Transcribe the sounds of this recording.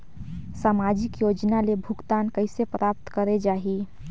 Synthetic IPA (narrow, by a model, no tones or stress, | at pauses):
saːmaːd͡ʒɪkjoːd͡ʒnalebʱʊkt̪aːnkəɪsepɾʔaːp̚t̪kəɾed͡ʒaːɦi